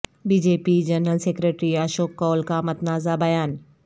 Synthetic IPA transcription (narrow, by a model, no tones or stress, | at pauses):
biːd͡ʑeːpid͡ʑɐnɾəlseːkɾeːʈɾiaːʃoːkːɔːlkamɐt̪naːzabɐjaːn